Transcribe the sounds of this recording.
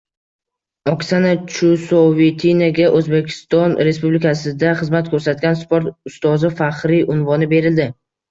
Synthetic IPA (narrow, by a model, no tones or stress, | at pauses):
ɒksanat͡ʃʰusovet̪ʰinaɡʲaʔɵzbe̞kʲʰɪ̥st̪ɒnɾe̞spublɪkasɪd̪aχɨzmat̪̚kʰɵɾsat̪̚ɡʲanspoɾt̪ʊst̪ɒzɪfaqɾiʔʊnvɒnɪbe̞ɾɪld̪ɪ